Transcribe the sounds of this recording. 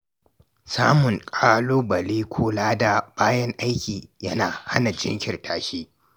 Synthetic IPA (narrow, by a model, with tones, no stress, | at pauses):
saː˦mʊ˨ŋkʼaː˦loː˦bɐ˨liː˦kʷʰoː˦laː˦da˨baː˦jɐ˦ŋʔa˦jkʲiː˨jɐ˦naː˨ha̰˦na˨d͡ʒɪ̰˦ŋkʲɪ˨rtʰaː˦ʃiː˦